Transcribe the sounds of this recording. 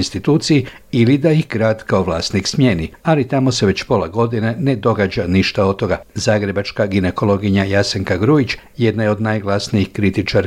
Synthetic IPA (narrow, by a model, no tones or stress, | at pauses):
nst̪it̪uːt̪siji | ilid̪aixɡɾaːd̪kaoʋlˠaːst̪niksmje̞ːnialit̪amo̞seʋe̞t͡ɕpo̞laɡo̞d̪ine̞ne̞d̪o̞ɡad͡ʒaniʃt̪aot̪o̞ɡazaːɡɾe̞bat͡ʃkaɡineko̞lo̞ɡiɲajase̞ŋkaɡɾuit͡ʃ | je̞d̪najeo̞d̪najɡlˠasniixkɾit̪it͡ʃaɾ